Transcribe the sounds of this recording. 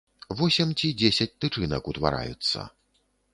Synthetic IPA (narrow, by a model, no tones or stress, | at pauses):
vɔsʲɛmt͡sʲid͡zʲesʲɐt͡sʲt̪ɨt͡ʂɨnɐkut̪va̰ɾa̰jṵt̪sːɐ̰